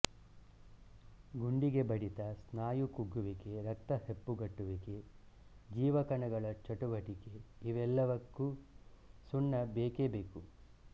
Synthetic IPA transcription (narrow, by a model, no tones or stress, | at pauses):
ɡuɳɖiɡe̞bɐɽit̪ɐsnaːjukuɡːuʋike̞ɾɐk̚t̪ɐhepːuɡɐʈːuʋike̞ | d͡ʒiːʋɐkɐɳɐɡɐɭɐt͡ʃɐʈuʋɐʈike̞iʋɛlːɐʋɐkːu | suɳːɐbeːkebeːku